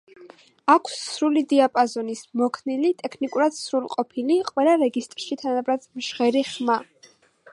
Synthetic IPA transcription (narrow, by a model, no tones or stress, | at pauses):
akʰsːɾulid̪iapʼazɔnismɔkʰnilit̪ʼɛkʰnikʼuɾad̪̥sɾulˠqʼɔpʰiliqʼwɛlˠaɾɛɡist̪ʼɾʃit̪ʰanabɾad̪̥mʃʁɛɾiχma